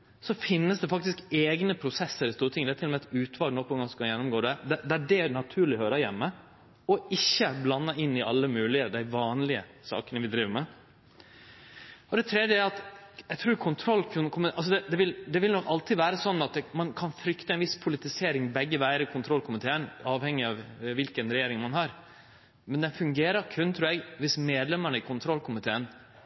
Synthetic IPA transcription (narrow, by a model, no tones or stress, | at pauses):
sɔfɪnːəsd̪ɛfɑk̚t̪ɪskeːɡnəpʰɾʊsɛsːəɾɪst̪uːɾət̪ʰɪŋːd̪ɛæt̪ʰɪlɔmɛɛt̪ʉːt̪ʰʋɑːlnɔpɔɛŋɡɑskɑnjɛnːʊmɡoːd̪ɛd̪ɛd̪æɖɛnɑt̪ʰʉːɾɭɪhøːɾəɾjɛ̰mːə | ɔɪçːəblɑnːəɪnːɪʔɑlːəmʉːlɪəd̪æɪʋɑːnlɪə̰sɑ̰ːkənəʋɪd̪ɾiːʋəɾmɛ | ɔd̪ɛt̪ʰɾɛd̪jəæɾɑt̪ɛɪɡ̚t̪ʰɾuːɾkʰʊnt̪ʰɾɔlk̪kʰʊmɪʔɑls̬ɔd̪ɛd̪ɛʋɪld̪ɛʋɪlnɔkːɑlt̪ʰɪʋæːɾəsɔnːɑt̪̚d̪ɛmɑnkʰɑnfɾʏkt̪əɛnʋɪspʰʊlɪt̪ɪseːɾɪŋbɛɡːəʋæɪəɾɪkʰʊnt̪ʰɾɔlːkʰʊmɪt̪ʰeːənɑːʋhɛŋːɪɑʋʋɪlkənɾɛjeːɾɪŋmɑnɦɑɾ | mɛnd̪ɛnfʉŋɡeːɾəɾkʰʉnːt̪ʰɾʉːɾɛɡʋɪsmeːd̪lɛməɳəɪkʰʊnt̪ʰɾɔlkʰʊmɪt̪ʰeːən